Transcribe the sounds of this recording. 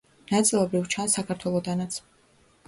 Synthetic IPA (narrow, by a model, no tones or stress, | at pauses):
nat̪sʼilˠɔbɾivt͡ʃʰansːakʰaɾt̪ʰwɛlˠɔd̪anat̪sʰ